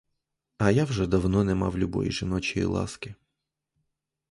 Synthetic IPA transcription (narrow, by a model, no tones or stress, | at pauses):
ɐjawʒɛd̪ɐwnɔnɛmɑwlʲʊbɔ̰jḭʒɪnɔt͡ʃijḭlˠɑ̰skɪ